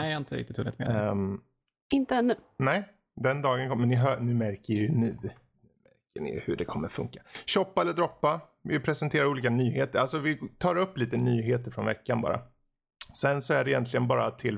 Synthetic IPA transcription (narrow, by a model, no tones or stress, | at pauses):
ɛɪnt̪əɾɪ̰kt̪ɪt̪ʰːuːlɪ̰t̪mḛ | ɪnt̪əɛnːʉːnɛɪ | d̪ɛnd̪ɑːɡənkʰɔmɛnːɪɦœnʉ̟ːmæɾkəɾjɵnʉ̟ː | nʉmæɾkəɳɪ̰j̰hɵɖɛkʰɔmːəɾfɵ̰ŋkḁɕɔpːaɛlːəɖ̪ɾɔpːa | vɪpʰɾɛsɛnt̪ʰeːɾaɾuːliːkanyːɦeːt̪əɾalsɔvɪt̪ʰɑːɾɵpːliːt̪ənyːɦeːt̪əɾfɾɔnvɛ̰kːanbɑ̰ːɾʔa̰ | sɛnsɔæɖɛɪjɛnt̪lɪɡənbɑːɾat̪ʰɪl